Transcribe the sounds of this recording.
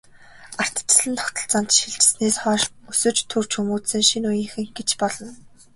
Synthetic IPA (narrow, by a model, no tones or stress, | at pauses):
ar̥t̪ə̥̆t͡ɕ̆sɮɘ̆nt̪ʰɔ̥kt̪ɞ̆ɬt͡saːnt̪ʃiɮt͡ɕɪ̥̆sneːsχɔːʃusɵ̆t͡ɕt̪ʰurt͡ɕʰumuːt̪sɘ̆ŋʃinujɘ̆ŋxɘ̆ŋɡet͡ɕpɔɮɞ̆n